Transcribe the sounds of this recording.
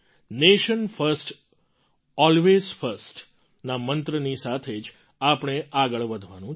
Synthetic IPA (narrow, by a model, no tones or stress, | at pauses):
neʃənfʰəɾsʈ | ɔlʋezfʰəɾsʈ | namənt̪ɾənisat̪ʰed͡ʒ | apəɳ̃eʔaɡəɭʋəd̪ʱʋanũ